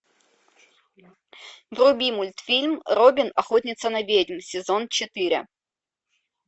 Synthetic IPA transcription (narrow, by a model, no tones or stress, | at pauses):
vrʊbʲimʊlʲt̪fʲilʲmrobʲɪnɐxotʲnʲɪt̪sənɐvʲedʲmsʲɪzont͡ɕɪt̪ɨɾʲɪ̰